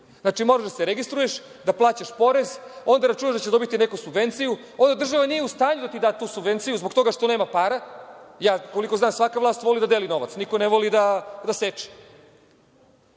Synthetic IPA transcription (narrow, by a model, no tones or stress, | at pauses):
zat͡ʂimo̞ɾaʒd̪aseɾeɡist̪ɾujeʃ | d̪aplˠaːt͡ɕaʃpo̞ɾe̞zo̞nd̪aɾat͡ʃunaʒd̪at͡ɕed̪o̞bit̪inekusubʋe̞nt̪siju | o̞nd̪ad̪rʒaʋanije̞ust̪aːɲud̪at̪id̪aːt̪uːsubʋe̞nt̪sijuzbokt̪o̞ɡaʃt̪o̞ne̞ːmapaːɾajaːko̞liko̞znaːmsʋakavʋlˠaːst̪ʋo̞lid̪ad̪eːlino̞ʋa̰t̪snikoneʋolid̪ad̪aset͡ʃi̥